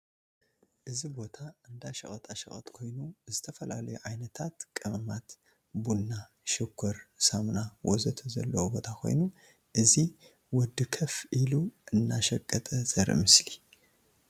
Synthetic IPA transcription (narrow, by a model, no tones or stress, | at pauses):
ʔɨzibo̞t̪ʰaɨnd̪aʃɐχʼɐt̪ʼʰaʃɐχʼɐ̰t̪ʼkʰo̞jnuzɨt̪ʰɐfɐla̰lɐjuʕajnɐt̪ʰat̪kʼɨmɐmat̪ | bulnːa | ʃɨkʷʰːɔɾsamnawɔzɐt̪ʰɐzɐ̰lːɐwobo̞t̪ʰakʰo̞̰jnu | ʔɨzi | wɔd̪ɨkʰɐfʔiluʔɨnːaʃɐkʼːɐt̪ʼɐzɐɾɨ̰mɨsli